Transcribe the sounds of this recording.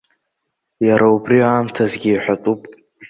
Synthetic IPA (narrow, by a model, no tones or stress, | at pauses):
jaɾʔaubriaːmtʰazɡʲiːħʷatʼupʼ